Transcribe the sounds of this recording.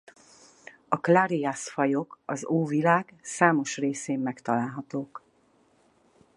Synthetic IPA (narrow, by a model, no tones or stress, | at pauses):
ɒklaɾiasfɒjo̞kɒzoːvilaːɡsaːmo̞ʃreːseːmːɛkt̪ɒlaːlɦɒt̪oːk